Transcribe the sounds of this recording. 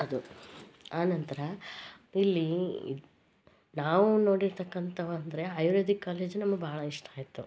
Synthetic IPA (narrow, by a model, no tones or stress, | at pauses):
ɐd̪u | aːnɐnt̪ɐɾɐ | ilːḭ | naːʋuno̞ːɽiɾt̪ɐkːɐnt̪ʰɐʋɐɐnd̪ɐɾe̞ɐjuɾoːd̪ikːaːleːd͡ʒnɐmːɐɡbʱaːɭɐiʂʈɐaːjit̪ːu